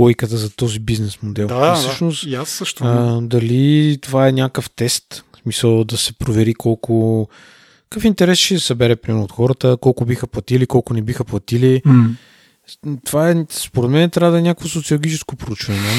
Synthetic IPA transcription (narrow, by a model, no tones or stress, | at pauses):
ɔjkət̪əzɐt̪ɔzibiznɛsmod̪ɛlˠfsɤʃnost̪jaəʃt̪ːd̪ɐlit̪ovaɛnʲjakəft̪ɛst̪smisəlˠd̪ɐsɛ̥pɾovɛɾikʰɔlˠkʊ | kəfint̪ɛɾɛsʃɛsɐbɛɾɛpɾʲimɛɾnʊːt̪xɔɾət̪əkɔlˠkʊbixəplˠɐt̪ilikɔlˠkʊnɛbixəplˠɐt̪ili | t̪ovaɛspoɾɛd̪mɛnɛt̪ɾʲavd̪ɐɛnʲakəkvosot̪siolˠɡʲit͡ʃɛskopɾout͡ʃvənɛ